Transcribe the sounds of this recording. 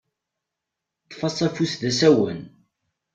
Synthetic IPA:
t̪ˤːfɑsˤæfusðæsæwən

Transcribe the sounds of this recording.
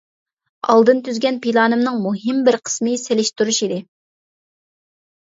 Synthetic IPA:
ɑ̰lˠd̪ɨnt̪ʰyzɡʲɛnpilˠɑːnɨmnɨŋmuɦɨmbɪɾqʰə̥smɨselɪʃt̪uɾuʃid̪ɪ

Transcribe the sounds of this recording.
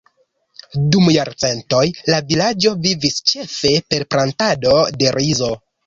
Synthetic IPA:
dumjaɾt͡se̞nto̞jlavilad͡ʒo̞vivist͡ʃe̞fe̞pe̞ɾpɾantado̞de̞ɾʔizo̞

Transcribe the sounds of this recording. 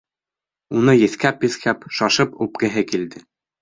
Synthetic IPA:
unɤjɘ̆θkæpjɘ̆θkʰæpʃɑʃɤpup̚kɘ̆ɦɘkild̪ɘ

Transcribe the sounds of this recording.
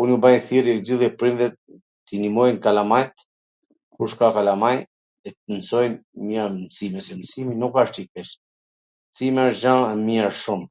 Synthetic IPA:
unjubajθiɾid̪yðɛpɾind̪ɛt̪̚ː | inimɔjnkalamajt̪ | kuɾʃkakalamaj | ɛt̪ənsɔjnmamsimɛsɛmsiminukaʃt̪ikkɛʃ | msimɛəʃd͡ʒaɛmiaʃum

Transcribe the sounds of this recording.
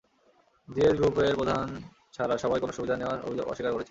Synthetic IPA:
d̪ieɾɡɾupeɾpod̪ʱan | t͡ɕʰaɾaʃɔbajkonoʃubid̪ʱaneoaɾo̰bʱio̰ɔ̰ʃːikaɾkoɾet͡ɕʰe

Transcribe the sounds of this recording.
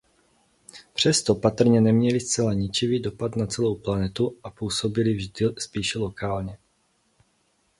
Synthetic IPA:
pr̝̥ɛst̪o̞pat̪r̩ɲɛnɛmɲɛlɪst͡sɛlaɲɪt͡ʃɪviːdo̞pat̪nat͡sɛlo̞wplanɛt̪uʔapuːso̞bɪlɪvʒdɪspiːʃɛlokaːlɲɛ

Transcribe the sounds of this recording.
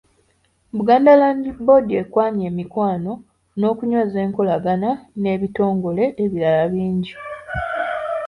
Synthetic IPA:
βuɡaːndalaːɲɟibo̞diekwaːɲeːmikwaːno̞ | no̞ːkuɲwo̞ːze̞ːŋkolaɡanane̞ːβito̞ːŋɡo̞le̞ʔeβiɾalaβiːɲɟi

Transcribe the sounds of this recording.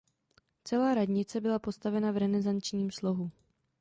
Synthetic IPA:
t͡sɛlaːɾadɲɪt͡sɛbɪlapo̞st̪avɛnavɾɛnɛzant͡ʃɲiːmslo̞ɦu

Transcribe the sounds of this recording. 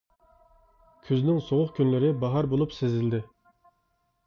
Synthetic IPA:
kʲʰyznɪŋsoʁʊχkʲynlɪɾɪbɑɦɑɾbolˠupsezɪld̪ɪ

